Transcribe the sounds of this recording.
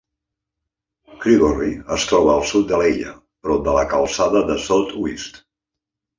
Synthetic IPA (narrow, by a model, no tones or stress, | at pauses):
kɾiɣoriəst̪ɾɔβəːlˠsut̪̚d̪əleʎə̰ | pɾɔd̪ələkəlˠsaðəðəsot̪wist̪